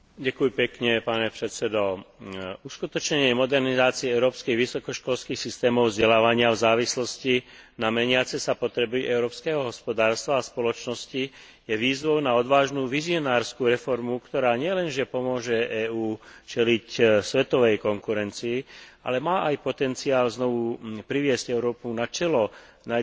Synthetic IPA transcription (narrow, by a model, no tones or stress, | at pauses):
ɟakujpɛkɲɛpaːɲɛpɾɛt̪sɛd̪ɔ | uskut̪ɔt͡ʃɲɛɲɪɛmɔd̪ɛɾnizaːt͡siɛɛʊɾɔːpskiɣʋisɔkɔʃkɔlskixsist̪ɛːmɔʊvzɟɛlaːʋaɲɪavzaːʋislɔscinamɛɲɪat͡sɛsapɔt̪ɾɛbiʔɛʊɾɔːpskɛːɦɔɦɔspɔd̪aːɾst̪ʋaːspɔlɔt͡ʃnɔsci | jɛʋiːzʋɔʊnaɔd̪ʋaːʒnuːʋiziɔnaːɾskuːɾɛfɔɾmukt̪ɔɾaːɲɪɛlɛnʒɛpɔmʊɔʒɛʔɛːuːt͡ʃɛlicsʋɛt̪ɔʋɛjkɔŋkuɾɛnt͡siia̰lɛmaːʔajpɔt̪ɛnt͡siaːlznɔʋupɾiʋɪɛscɛʊɾɔːpunat͡ʃɛlɔ | na